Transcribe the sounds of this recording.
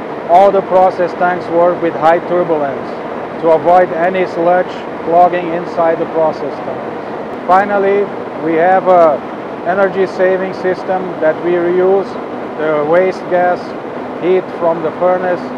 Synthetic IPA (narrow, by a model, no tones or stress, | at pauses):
ɔlˠd̪əpʰɹɔsɛstæ̃ŋkswə˞kwɪðɦaɪtʰʊɹbjələ̃ns | tʰuəvɔɪdɛnislɛt͡ʃ | flɔɡɪ̃ŋɪ̃nsaɪd̪̚ðəpʰɹɔsɛstə̃m | fãɪ̃nəlˠi | wihævə | ɛnə˞d͡ʒiseɪvɪ̃ŋsɪstə̃mðæt̚wiɹijuz | ðəweɪst̚ɡæs | hit̪fɹɔ̃mðəfɜɹnəs